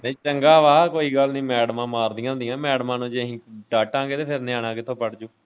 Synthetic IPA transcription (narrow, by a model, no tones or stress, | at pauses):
nĩːt͡ʃəŋɡaːʋaːkoːiːɡəlnĩːmɛːɽmãːmaːɾd̪ɪjãːnd̪ɪjãːmɛːɽmãːnũːd͡ʒeɦĩːɖaːʈãːɡeːt̪eːpʰɪɾnɪãːɽãːkɪt̪ʰːõːpəɽd͡ʒuː